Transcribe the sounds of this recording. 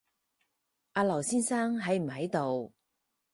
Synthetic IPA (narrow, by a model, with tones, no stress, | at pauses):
ʔaː˧lɐ˨˩wsiː˥nsaː˥ŋɦɐ˨˥jm̩˨˩hɐ˨˥jt̪o˨w